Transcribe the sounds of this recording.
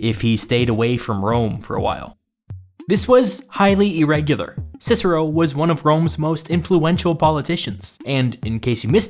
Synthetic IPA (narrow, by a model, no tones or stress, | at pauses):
ɪfhisteɪɾəweɪfɹʌ̃mɹõʊ̃ɱfə̰˞ə̰wa̰ɪlˠ | ðɪswʌz̥haɪlˠiɪɹɛɡjl̩ˠə̰˞sɪsə˞oʊwʌzwʌ̃ñʌvɹõʊ̃mzmoʊstʰɪ̃ɱfluɛ̃nʃl̩ˠpʰɑlˠətʰɪʃɨ̃nz̥ɨ̃nɨ̃nkʰeɪsjɨmɪs